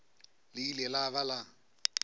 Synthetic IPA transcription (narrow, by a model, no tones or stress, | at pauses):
lɪilɛlaβala